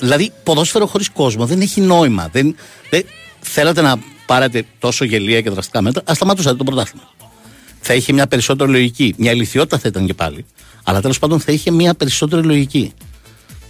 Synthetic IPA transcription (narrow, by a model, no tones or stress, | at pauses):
ðilɐðipo̞ðosfe̞ɾo̞xo̞ɾisko̞zmo̞ðe̞ne̞çino̞imɐ̰ðe̞nðeθe̞lɐt̪e̞nɐpɐɾet̪e̞t̪o̞soʝe̞liɐce̞ðɾɐst̪ikɐmet̪ɾɐʔːst̪ɐmɐt̪usɐt̪et̪opɾot̪ɐst̪i̥mɐ | θɐiçemɲɐpe̞ɾiso̞t̪̬e̞ɾilo̞ʝicimɲɐeliθio̞t̪i̥t̪ɐθɐit̪ɐŋcepɐ̰li | ɐ̰lɐt̪elo̞spɐnd̪o̞nθɐiçe̞miɐpe̞ɾiso̞t̪e̞ɾilo̞ʝici